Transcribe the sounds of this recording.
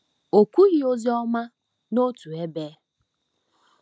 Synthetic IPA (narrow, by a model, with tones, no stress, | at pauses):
o˨kʷu˦ɣi˦o˦zi˦ɔ˦ma˦ | no˦tu˨e˦beː˨˦